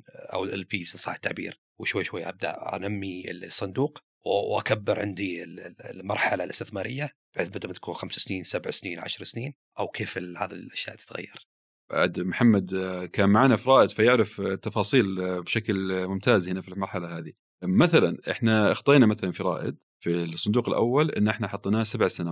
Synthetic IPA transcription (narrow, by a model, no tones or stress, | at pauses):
ʔa̰wɪlʔɪlpiːsnsˤɑːħɪt̪ːaʕbḭːɾ | wɪʃwajːʃwajːaʔab̚d̪a̰ʔʔa̰namːilsˤːɑnd̪uːq | wʔa̰kabːɪɾʕɪnd̪iɪlmɑ̰ɾˤħalalʔɪst̪ɪθmaːɾɪjːab̥ħɪːθbɪd̪mt̪ḁkuːnxamsḁsniːnsabʕsniːnʕa̰ʃɾˤsniːn | ʔawkʰeːfɪlha̰ːd̪ilʔaʃja̰ʔt̪ɪ̥t̪ɣa̰jːɑɾˤ | ba̰ʕad̪mħamːad̪kaːnmaʕaːnafiɾˤɑːʔɪd̪fajɪʕɾɪft̪ːɑfɑːsˤiːlbʃaklmʊmt̪aːzhɪnafilmɑɾˤħalahaːði | maθalanʔɪ̰ħnaʔɑxt̪ˤeːnamaθalanfiɾˤɑ̰ːʔɪ̰d̪̚ | fisˤːʊnd̪uːqɪlʔa̰wːalʔɪ̰nːʔɪħnaħɑt̪ˤːnaːsabʕsana